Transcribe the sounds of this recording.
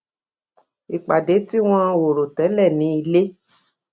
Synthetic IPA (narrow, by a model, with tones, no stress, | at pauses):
i˨k͡pa˨de˨˦ti˦w̃ɔ̃˦˧wo˨ɾo˨tɛ˨˦lɛ˦˨nĩ˨˦i˧le˦